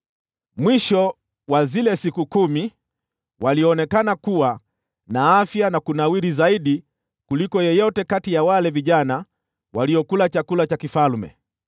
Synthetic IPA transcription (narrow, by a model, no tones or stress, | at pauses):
mwiʃɔ | wazilɛsikukumi | waliɔnɛkanakuwa | naafjanakunawiɾizaiɗi | kulikɔjɛjɔtɛkatijawalɛviʄana | waliɔkulat͡ʃakulat͡ʃakifalmɛ̰